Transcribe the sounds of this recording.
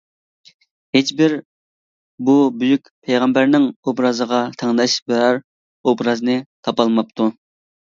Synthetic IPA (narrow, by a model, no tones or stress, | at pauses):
het͡ʃbɪɾ | bubyjykʲpʰejʁɑmbæɾnɪŋobɾɑzəʁɑt̪ʰɛŋlɑʃbeɾɑɾ | obɾɑznɨt̪ʰɑpɑlˠmɑp̚t̪ʰu